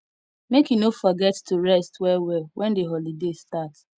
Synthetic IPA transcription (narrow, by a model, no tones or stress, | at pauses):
mekinofɔɡɛttʰuɹɛstwɛwɛwɛ̃ndeɦɔlidestat